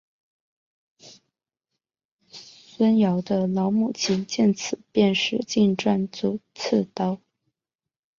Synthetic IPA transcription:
swə˥njɑ˧˥ʊd̪ə˧lɑ˧˥ʊmu˨˩t͡ɕʰi˧˥nt͡ɕjɛ˥˩nt͡s̩ʰ˨˩˦pjɛ˥˧nʂɻ̩˥˩t͡ɕi˥˧nʈ͡ʂwa˥˩nt͡su˨˩˦t͡s̩ʰ˥˧t̪ɑ˥ʊ

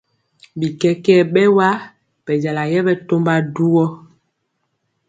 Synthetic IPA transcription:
bi˨kɛ˦kɛ˦˨ɓɛ˦wa˦ | b̥ɛ˨d͡ʒa˨la˨jɛ˦ɓɛ˦to˦mba˦du˦wɔ˦

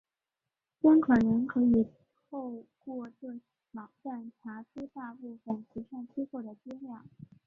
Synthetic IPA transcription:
t͡ɕjɛ˥nkʰə˨˩nə˧˥nkʰɤ˧˥i˨˩ | o˥˧ʊkwɔ˥˧ʈ͡ʂwə˥˩ | mɑ˨˩ŋʈ͡ʂa˥˩nʈ͡ʂʰa˧˥ʈ͡ʂu˥t̪a˥˧pu˥˧fə˨˩nʈ͡ʂʰi˧˥ʂa˥˧ŋt͡ɕʰi˥kwɔ˥˩d̪ə˩t͡ɕi˥ŋljɑ˥˩˦

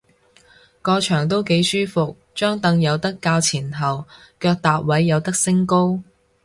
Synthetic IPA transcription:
kɔː˧t͡ʃʰœː˨˩ŋt̪o˥wke˨˥jsyː˥fʊ˨k̚ | t͡ʃœː˥ŋt̪ɐ˧ŋjɐ˨˧wt̪ɐ˥kːaː˧wt͡sʰiː˨˩nɦɐ˨w | kœː˧k̚t̪aː˨p̚wɐ˨˥jːɐ˨˧wt̪ɐ˥k̚sɪ˥ŋko˥w

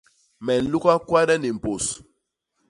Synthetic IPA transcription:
mɛ˨n̩˨lu˦ka˦kwa˦ɾɛ˦ni˨m̩˨po˨s

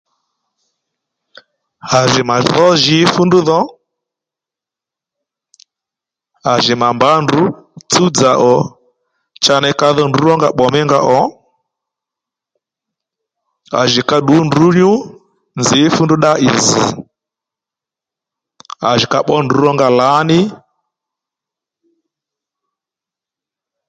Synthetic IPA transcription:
a˨ʒɪ˨ma˨ðɔ˦ʒɪ˨˦fu˦ndu˦ðɔ˦ | a˨ʒɪ˨ma˨mba˨˦ndu˨˦t͡su˦d͡za˨ʔɔ˨ | t͡ʃa˧nɛ˧ka˧ðɔ˦ndu˦ɾɔ˦ŋɡa˦ɓɔ˨mɛ˦ŋɡa˦ʔɔ˨˦ | a̰˨ʒi˨ka˦ɗu˨˦ndu˦ɲu˦ | nzi˨˦fu˦ndu˦ɗa˦ʔi˨zḭ˨ | a˨ʒi˨ka˨ɓɔ˦ndu˨˦ɾɔ˦ŋɡa˨la˨˦nɪ˦

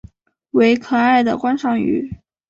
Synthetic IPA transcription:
we˧˥ɪkʰɤ˨˩a˥˩ɪd̪ə̰˩kwa˥nʂɑ˥˩ŋy̰˧˥

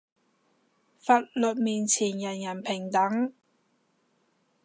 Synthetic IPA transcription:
faː˨t̚lɵ˨t̚miː˨nt͡sʰiː˨˩njɐ˨˩njɐ˨˩npʰɪ˨˩ŋt̪ɐ˨˥ŋ

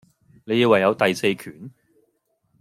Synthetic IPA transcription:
ne˨˧ji˧wɐ˨jːɐ˨˧wt̪ɐ˨jse˧jkʰyː˨˩n

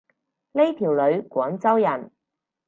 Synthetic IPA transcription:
le˥jt̪ʰiː˨˩wlɵ˨˧ɥkʷɔː˨˥nt͡sɐ˥wjɐ˨˩n

